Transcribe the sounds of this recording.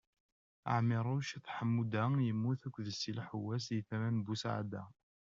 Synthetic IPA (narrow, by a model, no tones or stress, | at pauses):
a̰ʕmɪɾˤʊʃæθħəmːud̪ajəmːuθækʷːðəsːilħuwːæs̬iθæmænbusaʕa̰d̪æ̰